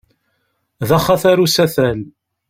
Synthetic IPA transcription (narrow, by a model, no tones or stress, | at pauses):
ðæχaθæɾusæθæl